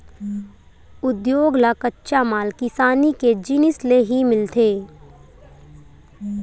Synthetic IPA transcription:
ʊd̪joːɡlakətːʃamaːlkɪsaːniked͡ʒinɪsleɦimɪlt̪ʰeː

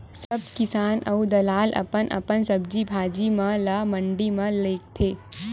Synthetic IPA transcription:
sɐb̚kɪsaːnʔɐ̰ud̪ɐlaːlʔɐ̰pənʔɐ̰pənsɐb̚d͡ʒibʱaːd͡ʒimãlamɐ̃ɳɖimɐ̃leːk̚t̪ʰeː

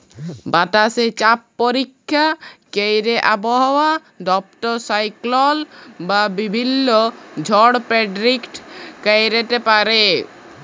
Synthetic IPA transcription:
baʈaset͡ʃap̚ːɔɾikʰːjakejɾeʔabɔɦɔwa | ɖɔp̚ʈɔɾsajklɔlbabibʱinːɔd͡ʒʱɔɽpeɖɾikʈkejɾet̪epaɾe

